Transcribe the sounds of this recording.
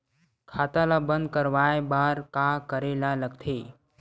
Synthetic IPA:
kʰat̪alabənd̪̚kəɾʋajbaːɾkakəɾelaləɡ̚t̪ʰeː

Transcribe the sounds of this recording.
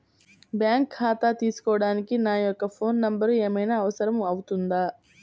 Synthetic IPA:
bjaːŋkʰːaːt̪at̪iːsu̥kɔːʋɐɽaːnikinaːjɔkːɐpʰo̞ːnːɐmbɐɾeːmɐjnaːʋɐsɐɾɐmɐwut̪und̪aː

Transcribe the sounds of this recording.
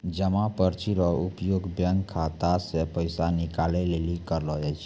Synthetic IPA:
d͡ʒəmapəɾt͡ʃiɾɔupjoɡbjəŋɡkʰːat̪asẽpəɪsanikalɛlelikəɾlɔd͡ʒajt͡ʃʰ

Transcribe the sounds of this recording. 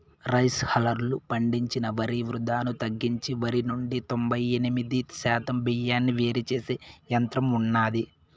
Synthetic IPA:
ɾɐjshɐlɐɾlupɐɳɖiɲt͡ʃinɐʋɐɾiʋɾud̪aːnut̪ɐɡːiɲt͡ʃiʋɐɾinuɳɖit̪o̞mbɐjenimid̪iʃaːt̪ɐmbijaːnːiʋeːɾit͡ʃeːsejɐnt̪ɾɐmunːaːd̪i

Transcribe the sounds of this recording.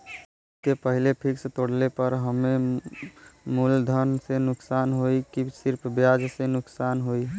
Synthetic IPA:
ʊskepəɦilepʰikst̪oɽlepəɾɦəme | muld̪ʱənsenʊksanɦoikisɪɾpʰbjad͡ʒsenʊksanɦoi

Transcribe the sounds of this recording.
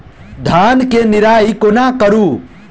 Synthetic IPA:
d̪ʱaːnkenɪɾaːikoːnãːkəɾuː

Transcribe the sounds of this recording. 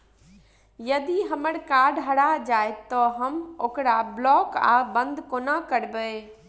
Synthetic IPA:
jəd̪iɦəməɾkaɾɖɦəɽad͡ʒaet̪ɔɦəmokɾablɔːka̰bə̃nd̪ʱkonakəɾbə

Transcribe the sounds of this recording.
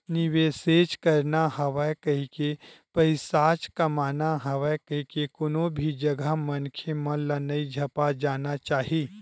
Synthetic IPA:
nɪʋeːseːt͡ʃkɐɾnaɦɐʋakɐɦikepəɪsaːt͡ʃkɐmaːnaɦɐʋəkɐɦikekʊnõbʱid͡ʒɐɡʱamɐnkʰemɐ̃lanɐid͡ʒʱɐpad͡ʒaːnat͡ʃaːɦiː

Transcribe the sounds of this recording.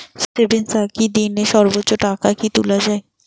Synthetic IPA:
sʈebensakid̪ineʃɔɾbotːʃoʈakakit̪ulad͡ʑae

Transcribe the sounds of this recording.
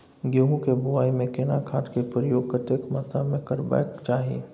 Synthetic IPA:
ɡeɦũkebʊaːimẽkenakʰaːʈkepɾəjoːɡkəʈekmat̪amẽkəɾba̰jkt͡ʃaːɦiḭ

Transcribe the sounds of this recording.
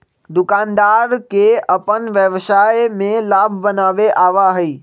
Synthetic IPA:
d̪ʊkãːnd̪aːɾkeʔɐpənʋjəʋʃaːjmẽlaːbʱbɐnaːʋeʔaːʋaɦiː

